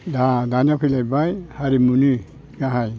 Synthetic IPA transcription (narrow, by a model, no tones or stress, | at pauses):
dadanapʰilajbajhaɾimuni | ɡaɦaj